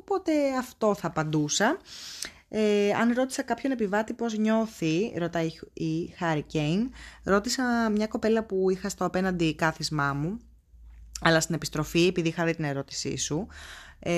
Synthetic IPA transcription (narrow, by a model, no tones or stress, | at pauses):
opo̞t̪e̞ɐft̪o̞θɐpɐnd̪usɐ | eɐ̰nɾo̞t̪i̥sɐkɐpço̞ne̞pivɐt̪ipo̞zɲo̞θiɾo̞t̪ɐiixɐɾicejnɾo̞t̪isɐmɲɐko̞pe̞lɐpuixɐst̪oɐpe̞nɐnd̪ikɐθizmɐmu | ɐlɐst̪ine̞pist̪ɾo̞fiepiðixɐðit̪ine̞ɾo̞t̪i̥sḭsue